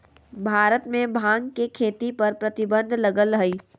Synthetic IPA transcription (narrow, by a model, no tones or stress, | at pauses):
bʱaːɾət̪mẽbʱãːŋɡkekʰeːt̪ipɐɾpɾɐt̪ɪbə̃nd̪ʱlɐɡələiː